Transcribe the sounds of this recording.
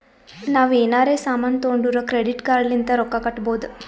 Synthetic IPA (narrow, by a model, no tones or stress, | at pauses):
naːʋeːnaːɾe̞ːsaːmaːnt̪oːɳɖuɾɐkɾeɽiʈkaːɾlint̪ɐɾɔkːɐkɐʈːboːd̪u